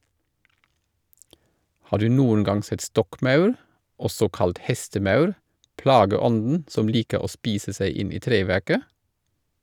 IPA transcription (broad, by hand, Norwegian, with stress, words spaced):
ˈhɑː ˈdʉː ˈnuːən ˈɡɑŋ ˈsɛt ˈstɔkˌmɑʉɾ ˈɔsɔ ˈkɑlt ˈhɛstəˌmɑʉɾ ˈplɑːɡəˌɔndn̩ ˈsɔm ˈliːkə ˈoː ˈspiːsə ˈsæɪ ˈɪn ˈiː ˈtɾeːˌʋæʁkə